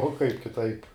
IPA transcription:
oː kɐɪp kʲɪˈtɐɪp

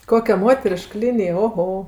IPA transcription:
ˈkoːkʲɛ ˈmoːtʲɛrʲɪʃk ˈlʲɪnʲɪj oːˈɣoː

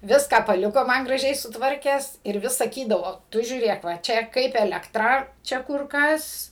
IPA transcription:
ˈʋʲɪskɑː pɐˈlʲɪkoː ˈmɐn ɡrɐˈʒʲɛɪ sʊtˈʋɐrʲkʲæːs ɪr ˈʋʲɪs sɐˈkʲiːdɐʋoː ˈtʊ ʒʲuːˈrʲeːk ʋɐ ˈt͡ʃʲɛ ˈkɐɪp ɛlʲɛkˈtrɐ ˈt͡ʃʲɛ ˈkʊr ˈkɐs

